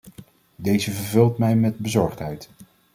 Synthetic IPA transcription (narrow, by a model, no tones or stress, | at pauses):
dejzəvəɹvɵlˠtmɛjmɛd̚bəzɔɹχtɦɛjt